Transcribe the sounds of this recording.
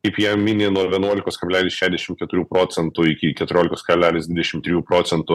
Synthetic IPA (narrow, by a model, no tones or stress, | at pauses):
kɐɪpjiɛmʲɪnʲeːnuɔʋʲiɛnuɔlʲɪkoːskɐbʲlʲæːlʲɪsʃʲæːʒʲd̪ʲɛʃʲɪmkʲɛt̪ʊɾʲuːpɾoːsʲɛnt̪ʊɪkʲɪkʲɛt̪ʊɾʲoːlʲɪkoːskɐbʲlʲæːlʲeːsd̪ʋʲɪd̪ʲɛʃʲɪmt̪ʲɾʲɪjuːpɾoːtsʲɛnt̪ʊ